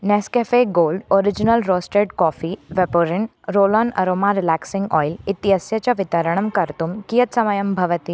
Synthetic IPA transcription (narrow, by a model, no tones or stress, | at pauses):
nɛskefeːɡoːlɖoːɾɪd͡ʒinəlɾoːsʈeɖkɔːfiʋepoɾɪn | ɾoːlɔːnɐ̰ɾoːmaɾɪlæːksɪ̃ŋɡɔ̰ːjlɪt̪iɦɐsjɐt͡ʃaʋɪt̪ɐɾəɽ̃ɐmkɐɾt̪umkijɐt̪sɐmɐjɐmbʱɐʋət̪i